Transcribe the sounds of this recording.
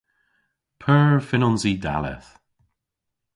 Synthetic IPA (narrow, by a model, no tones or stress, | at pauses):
pʰəːɹfɪnɔnzida̰lɛ̰θ